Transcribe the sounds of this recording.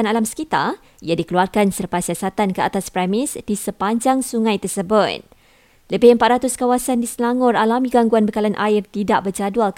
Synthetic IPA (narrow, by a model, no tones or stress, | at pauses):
analamsə̥kit̪a̰ | ijadikəluarkansərpasiasat̪ankəat̪aspɾɛmɪsdisəpaɲd͡ʒaŋsuŋãjt̪ərsəbʊt̪̚ | ləbɪhəmpat̪̚ɾat̪ʊskawasandisəlaŋɔralamĩɡaŋɡuanbəkalanʔaɪrt̪idaʔbərd͡ʒadual